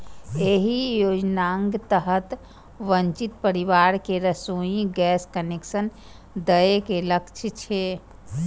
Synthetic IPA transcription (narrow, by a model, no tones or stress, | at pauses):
eɦijod͡ʒnaŋɡt̪əɦət̪ | ʋənt͡ʃit̪pəɾiʋaɾkeɾəsoĩɡɛskəneksən | d̪əekeləkt͡ʃʰt͡ʃʰe